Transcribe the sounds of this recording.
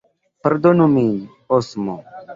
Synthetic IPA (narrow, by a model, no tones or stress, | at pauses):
peɾd̪onumi | osmo̰